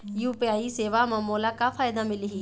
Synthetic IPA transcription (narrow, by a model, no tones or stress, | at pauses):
juːpiaːiseːʋamɐ̃moːlakafaːjd̪amɪliɦiː